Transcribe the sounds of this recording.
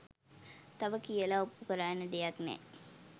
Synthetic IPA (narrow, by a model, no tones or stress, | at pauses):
t̪aʋəkijəlaupːukəɾaːnəd̪ejaknɛ̰